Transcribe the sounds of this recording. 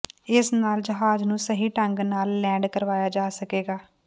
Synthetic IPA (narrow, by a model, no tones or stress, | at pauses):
ɪsnaːld͡ʒəɦaːd͡ʒnũːsəɦiːʈəŋɡnaːlːɛ̃ːɳɖkəɾʋaːjaːd͡ʒaːsəkeːɡaː